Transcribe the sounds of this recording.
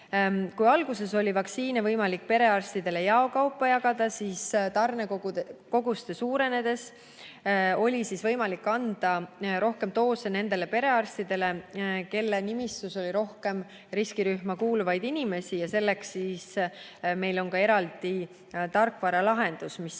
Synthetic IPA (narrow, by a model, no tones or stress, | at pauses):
kujɑlɡ̥use̞so̞lʲivɑksiːnevɤjmɑlikːpe̞ɾe̞ɑrst̪id̪̥e̞le̞jɑo̞kɑwpːˑɑjɑɡ̥ɑd̪̥ɑsiːst̪ɑrnekoko̞ɡust̪e̞suːɾe̞ne̞d̪̥e̞s | o̞lʲisisvɤjmɑlikːɑnd̪̥ɑɾo̞hke̞mt̪o̞ːsene̞nd̪e̞le̞pe̞ɾe̞ɑrst̪id̪e̞le̞ke̞lːenimist̪uso̞lʲiɾo̞hke̞m | riskiɾyhmɑkuːluvɑjd̪̥inime̞sijɑse̞lːe̞ksːiːs | me̞jlo̞nkɑe̞ɾɑld̪̥i | t̪ɑrkːˑvɑɾɑlɑɦe̞nd̪̥usmis